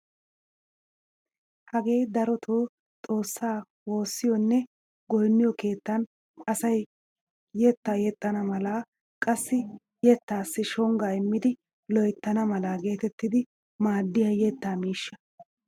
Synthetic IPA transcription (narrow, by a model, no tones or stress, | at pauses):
hɐɡe̞ːd̪ɐɾɔt̪ʰoː | t̪ʼo̞ːsːaː | wo̞ːsːɪjɔnːɛ | ɡɔjnːɪjɔke̞ːt̪ːɐn | ɐsɐj | jɛt̪ːaːjɛt̪ʼːɐnɐmɐlaː | kʼɐsːɪ | jɛt̪ːaːsːɪʃɔŋɡaːɪmːɪd̪ɪ | lɔjt̪ːɐnɐmɐlaːɡe̞ːt̪ɛt̪ːɪd̪ɪ | maːd̪ːɪjɐjɛt̪ːaːmiːʃːɐ̥